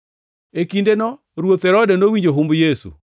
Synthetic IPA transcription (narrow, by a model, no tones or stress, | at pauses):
ekindenɔ | ɾwot̪ɛɾɔdɛnowiɲd͡ʒoɦumbjesṵ